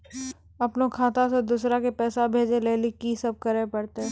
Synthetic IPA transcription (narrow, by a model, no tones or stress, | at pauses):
ɐpnokʰaːt̪ased̪uːsɾakepɛːsabʱeːd͡ʒeleːlikisɐb̚kɐɾepɐɾt̪eɦɛ